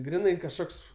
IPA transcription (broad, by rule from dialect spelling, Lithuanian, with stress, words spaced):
ˈɡrʲɪnɐɪ kɐʃˈkoːks